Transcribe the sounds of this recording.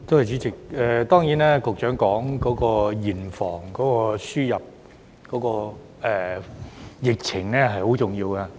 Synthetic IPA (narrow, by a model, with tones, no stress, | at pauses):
t̪o˥whɐ˨jt͡siː˨˥t͡sɪ˨k̚ɛ˨˧t̪ɔː˥ŋjiː˨˥nɛː˥kʊ˨k̚t͡ʃœː˨˥ŋkɔː˨˥ŋkɔː˨˥kɔː˧jiː˨˩nfɔː˨˩ŋkɔː˨˥kɔː˧syː˥jɐ˨p̚ | kɔː˨˥kɔː˧ | ɛ˨˧ | jɪ˨k̚t͡sʰɪ˨˩ŋnɛː˥ɦɐ˨jho˨˥wt͡sʊ˨˩ŋjiː˧wkɐ˧